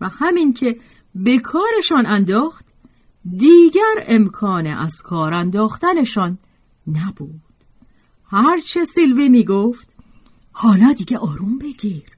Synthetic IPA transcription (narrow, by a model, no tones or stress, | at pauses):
væhæmiŋcʰe̞ | bekʰɒːɾeʃɒːnænd̪ɒːxt̪ | d̪iːɟæɾe̞mkʰɒːnḛʔæz̥kʰɒːɾænd̪ɒːxt̪æne̞ʃɒːnː | æbuːd̪̥ | hæɾt͡ʃʰesilviːmiːɡoft̪ | hɒːnɒːd̪iɡeʔɒːɾumbe̞ɡiːɾ